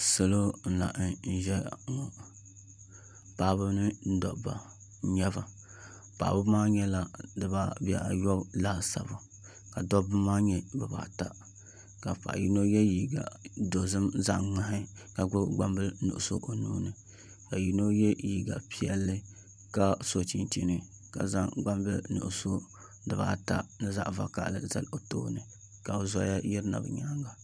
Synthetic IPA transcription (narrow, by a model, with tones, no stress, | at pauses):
sɨ˨lo˦n̩˦la̰˨ʔn̩˦ʒɛ˦˨ŋɔ˨ | pa˨˦bɨ˦nɨ˦n̩˦dɔ̰˨ʔba̰˨˦ | ɲɛ˦ba˨ | pa̰˨bɨ˦maː˦ɲɛ˦la˨dɨ˨ba˦˨bi˦ɛ̰˨jɔ˦blaː˦sa̰˨bʊ˨ | ka˨dɔ˦bɨ˦maː˦ɲɛ˦ba˨ba̰˨ta˦ | ka˨pa̰˨ji˦no˦jɛ˦ji˨ɡa̰˨do˨zɨ˦mza˦ʔŋ͡ma˦ɦɪ˦ | ka˨ɡ͡bʊ˦ɡ͡ba˦mbɨ˦nṵ˨ʔʊ˨so̰˦ʔo˨nuː˦nɨ˨ | ka˨ji˨no˦jɛ˦ji˨ɡa˨pi˦ɛ˦lːɨ˦ | ka˦so˨t͡ʃi˨nt͡ʃi˦nɨ˨ | ka̰˨za˦ŋɡ͡ba˦mbɨ˦nṵ˨ʔʊ˨so˦ | dɨ˨ba̰ː˦ta˦nɨ˦za̰˦ʔva˨ka̰˨ʔlɨ˦za̰˦lo˨to̰ː˦nɨ˨ | ka˨bɨ˨zɔ˦ja˦ji˦ɾɨ˦na̰˨bɨ̰˨ɲaː˦ŋɡa˨